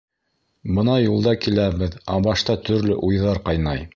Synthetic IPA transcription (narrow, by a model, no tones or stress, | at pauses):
bɤ̆nɑjulˠd̪ɑkilæβɘðæ̰bɑʃt̪ɑt̪ɵ̆ɾlɘ̰ʔujðɑɾqɑjnɑj